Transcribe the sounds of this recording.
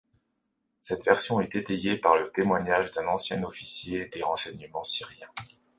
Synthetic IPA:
sɛt̪vɛʁsjɔ̃ɛt̪et̪ejepaʁlət̪emwaɲaʒd̪ɛ̃nɑ̃sjɛ̃nɔfisjed̪eʁɑ̃sɛɲəmɑ̃siʁjɛ̃

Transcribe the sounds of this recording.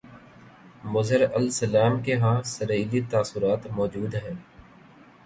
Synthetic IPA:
mʊzəɾəlsəlaːmkeːɦãːsəɾiːliːt̪aːsʊɾaːt̪mɔːd͡ʒuːd̪ɦɛː

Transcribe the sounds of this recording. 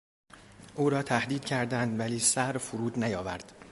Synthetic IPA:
ʔuːɾɒːt̪ʰæhd̪iːd̪̥cʰæɾd̪ænd̪væliːsæɾfuɾuːd̪næjɒːvæɾd̪̥

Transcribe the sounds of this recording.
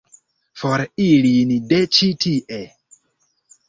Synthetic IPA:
foɾilindet͡ʃitʰiʔe

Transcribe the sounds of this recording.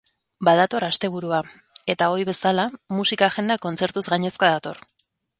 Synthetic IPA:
baðat̪o̞ɾast̪e̞β̞uɾua | e̞t̪ao̞jβe̞salamusikaʝe̞nd̪ako̞nt͡se̞ɾt̪uzɣaɲe̞skoðat̪o̞ɾ

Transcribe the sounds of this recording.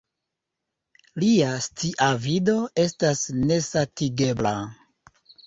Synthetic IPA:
liast͡siʔavido̞e̞stasne̞satiɡe̞bla

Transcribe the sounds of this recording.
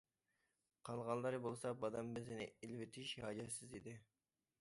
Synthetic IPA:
qʰɑlˠʁɑnlˠɨɾɨbolˠsɑbɑd̪ɑmbɪzɪnɪ̰ilwɪt̪ʰɪʃhɑːd͡ʒɛt̪sɪzid̪ɪ

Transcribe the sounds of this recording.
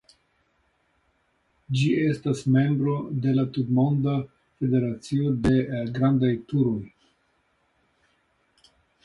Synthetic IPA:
d͡ʒie̞stasme̞mbɾo̞de̞latudmo̞nda | fe̞de̞ɾat͡sio̞de̞ɡɾandajtuɾo̞j

